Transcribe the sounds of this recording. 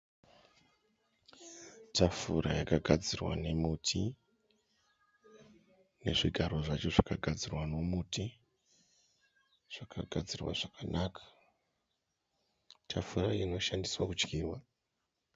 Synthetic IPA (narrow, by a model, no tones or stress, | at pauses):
tafuɾajakaɡʱad͡zirwa̰ne̞mutʰi | ne̞̰ʐiɡʱaɾo̞ʐat͡ʃo̞ʐakaɡʱad͡zirwano̞muti | ʐ̥akʰaɡʱad͡zirwa̰ʐakanakʰḁ | tʰafuraino̞ʃandiswakut͡ʃkiːwa